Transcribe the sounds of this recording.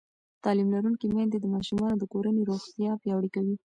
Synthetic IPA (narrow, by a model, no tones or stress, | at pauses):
t̪ɑlimlaɾuŋkimjɑnd̪ed̪əmɑʃumɑnod̪əkoɾaneɾoxt̪jɑpjɑwɽikawi